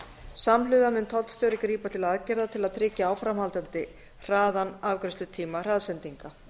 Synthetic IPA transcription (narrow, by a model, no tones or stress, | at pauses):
samlʏðamʏnt̪ʰɔl̥t̪st̪jœwɾɪkɾiːpat̪ʰɪlaðaðcɛɾðat̪ʰɪlaðt̪ʰɾɪːcaaːwfɾamhalt̪ant̪ɪ | r̥aːðanavkɾɛst̪ʏt̪ʰiːmar̥aðsɛnt̪iŋka